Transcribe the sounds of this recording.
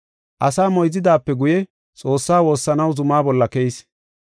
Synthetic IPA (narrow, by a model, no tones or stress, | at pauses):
ʔɐsaːmɔjzɪd̪aːpːɛɡʊjɛ | t͡sʼo̞ːsːaːwo̞ːsːɐnɐwzʊmaːbɔlːɐkɛjɪs